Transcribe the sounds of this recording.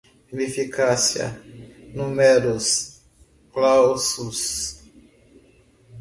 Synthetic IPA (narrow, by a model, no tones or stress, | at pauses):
imefikasjɐ̰numeɾus | klawsus